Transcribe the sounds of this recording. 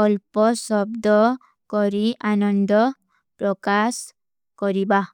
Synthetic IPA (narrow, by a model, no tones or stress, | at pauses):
ɔlpɔsɔbd̪ɔ | kɔɾiʔanɔnd̪ɔ | pɾɔkas | kɔɾiba